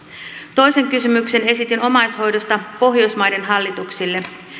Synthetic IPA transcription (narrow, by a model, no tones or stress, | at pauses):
t̪o̞jse̞ŋkysymykse̞ne̞sit̪ino̞mɑjsho̞jdo̞st̪ɑpo̞ɦjo̞jsmɑjde̞nɦɑlːit̪uksilːe̞